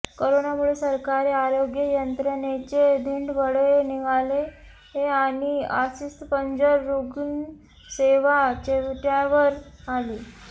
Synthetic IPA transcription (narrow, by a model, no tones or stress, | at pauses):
koɾonamuɭesəɾkaɾeaɾoɡjəjənt̪ɾənet͡ɕed̪ʱiɳɖbəɽeniʋale | ɦeaɽ̃ia̰sist̪pəɲd͡ʑəɾːuɡn | seʋat͡ɕeʋʈaʋəɾali